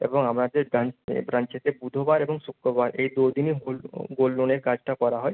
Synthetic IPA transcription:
ḛboŋamnad̪eɾbɾanbɾant͡ɕet̪ebud̪ʱobaɾeboŋsukɾobaɾejd̪od̪iniɦolɡolːoneɾkad͡ʑʈakɔɾaɦɔe

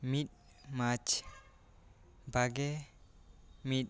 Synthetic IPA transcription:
mit̪̚ | mat͡ʃ | baɡe | mit̚

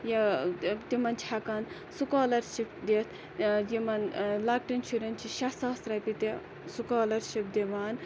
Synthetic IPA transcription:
jɐt̪imɐnt͡ʃʰakɐn | sukaːlɐɾʃip̚d̪et̪ʰ | jimɐnlak̚ʈint͡ʃʰuɾɐnt͡ʃʰiʃɐsaːst̪ɾɐpit̪e | sukaːlɐɾʃip̚d̪eʋaːn

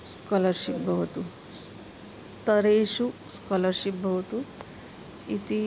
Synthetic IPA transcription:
skɔlɐɾʃipbʱɐwt̪u | s | t̪ɐɾeːʃuskɔlɐɾʃip̚bʱɐʋt̪u | it̪i

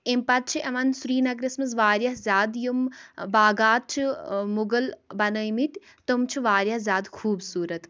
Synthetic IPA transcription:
empɐt̪̚t͡ʃʰiʔɐʋɐnsuɾiːnɐɡɾismɐzʋaːɾʲjɐɦzʲaːd̪jumbaːɡaːt̪̚t͡ʃʰimuɡəlbɐnəjmit̪ʲ | t̪omt͡ʃʰiʋaːɾjɐhzʲaːd̪kʰuːbsuːɾɐt̪

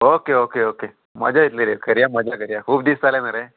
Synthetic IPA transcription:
okeokeoke | mə̰d͡ʑait̪leɾekəɾjaməd͡ʒʱakəɾjakʰuːbd̪ist̪alenəɾe

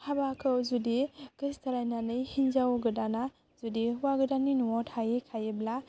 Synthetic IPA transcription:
habakʰɯwzudiɡ̥istaɾajnanɯjhinzawɡɯdana | zudiwaɡɯdaninuɔthajekʰajebla

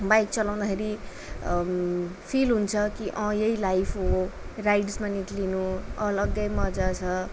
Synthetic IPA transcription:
bajkt͡sʌlaw̃d̪akʰeɾi | pʰilɦunt͡sʰʌkiʔʌ̃jeilajpʰɦorajɖsmaniʈlinuʌlʌɡʌjmʌd͡zat͡sʰʌ

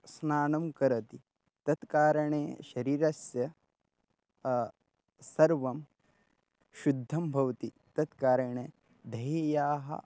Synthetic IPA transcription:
snaːnɐmkɐɾɐt̪i | t̪ɐt̪kaːɾɐɳeːʃɐɾiːɾɐsjɐ | sɐɾʋɐm | ʃud̪ʱːɐmbʱɐʋt̪i | t̪ɐt̪kaːɾɐɳeː | d̪ʱɐjejaːɦɐ̰

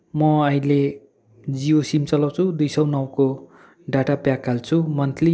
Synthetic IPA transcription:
mʌʌĩle | d͡zijosimt͡sʌlʌwt͡sʰud̪ujsʌwnʌwko | ɖaʈapjakːalt͡sʰumʌnt̪li

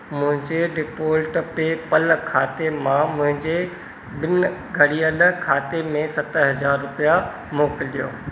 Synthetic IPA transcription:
mʊ̃ɦɪ̃ɲd͡ʑeɖɪpoːlʈpepɐlkʰaːt̪emãmʊ̃ɦɪ̃ɲd͡ʑe | bɪnɡʱɐɽiəlkʰaːt̪emẽsɐt̪ɦɐzaːɾːʊpija | moːkɪlɗijo̰ː

